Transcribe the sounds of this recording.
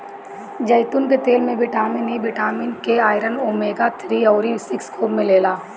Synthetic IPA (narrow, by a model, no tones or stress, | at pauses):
d͡ʒɐɪt̪ʊnket̪eːlmẽʋɪʈaːmɪniʋɪʈaːmɪnkeaːɪɾənoːmeːɡat̪ʰɾiɔːɾisɪkskʰoːbmẽleːlaː